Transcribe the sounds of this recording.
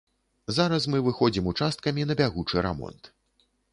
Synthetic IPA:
zaɾɐs̬mɨvɨxɔd͡zʲimut͡ʂast̪̚kɐmʲinɐbʲaɣut͡ʂɨɾa̰mɔ̰nt̪

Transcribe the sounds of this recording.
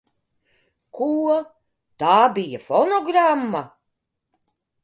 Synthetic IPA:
kʰuɔ | t̪aːbijafɔnɔɡɾamːa

